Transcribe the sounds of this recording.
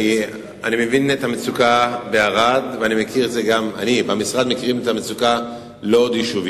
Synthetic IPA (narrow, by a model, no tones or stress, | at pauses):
i | anime̞vinet̪hamet͡sukabeaʁad̪veanimekʰiʁetzeɡama̰nibamisʁad̪mekiʁimet̪amet͡suka | lo̞od̪jiʃuvi